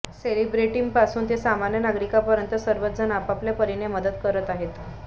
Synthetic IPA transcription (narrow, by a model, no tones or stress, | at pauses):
selibɾeʈiŋɡpasuːnt̪esamanjənaɡɾikapəɾjənt̪əsəɾʋət̪d͡zənapapljapəɾineməd̪ət̪kəɾət̪aɦet̪